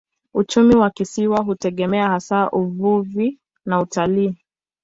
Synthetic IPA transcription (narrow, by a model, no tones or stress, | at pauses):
ut͡ʃumiwakisiwaɦutɛɠɛmɛahasaːʔuvuvi | nautaliː